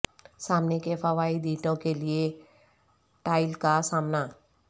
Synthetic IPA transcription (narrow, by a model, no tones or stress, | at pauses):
saːmnekefaʋaːid̪iːʈõkelie | ʈaːɪlkasaːmna